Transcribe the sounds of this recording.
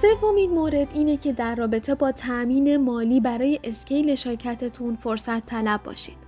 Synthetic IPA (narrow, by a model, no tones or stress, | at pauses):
se̞vːo̞minmoːɾe̞d̪iːne̞cʰe̞d̪æɾːɒːbe̞t̪ʰe̞bɒːt̪ʰæʔmiːne̞mɒːliːbæɾɒːje̞ʔesce̞jle̞ʃeɾcʰæt̪ʰe̞t̪ʰunfo̞ɾsæt̪ʰːælæbːɒ̰ːʃḭd̪̥